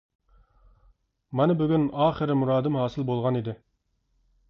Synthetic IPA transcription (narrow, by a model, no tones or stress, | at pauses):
mɛnɪbyɡʲynɑːχəɾɪmuɾɑːd̪ɪmhɑːsɨlˠbolˠʁɑnid̪ɪ